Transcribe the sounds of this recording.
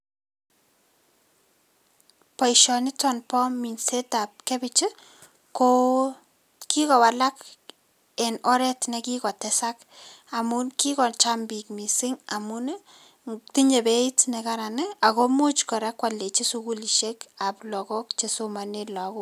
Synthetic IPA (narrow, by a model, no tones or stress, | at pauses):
paiʃɔnɪtɔnpɔmːinsetap̚kebɪt͡ʃi | ko | kikɔwalak | ɛnɔɾɛtnɛkikɔtɛsak | amunkikɔt͡ʃambik̚misɪŋamun | tiɲebetnɛkaɾanɪakomut͡ʃkɔɾakwalːet͡ʃesukuliʃekaplɔkɔk̚t͡ʃesomanelɔko